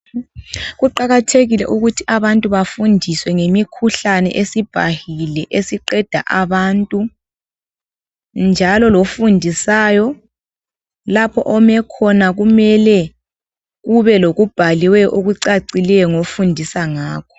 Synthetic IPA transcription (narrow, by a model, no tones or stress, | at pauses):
ɣuǃaɣatʰeɣilɛ̰ʔuɣutʰiʔaβantʼuβafundʱiswɛŋemikʰuɬanɛ̰ʔesib̥ʱa̰hilɛʔesiǃɛd̥ʱa̰ʔaβaːntʼu | nd͡ʒʱalɔlofundʱisaːjɔ | lapʰɔ̰ʔɔmɛkʰɔnaɣumɛlɛ | ɣuβɛloɣub̥ʱaliwɛjɔʔoɣuǀaǀilɛjɔŋofundʱisaŋaːkʰɔ̥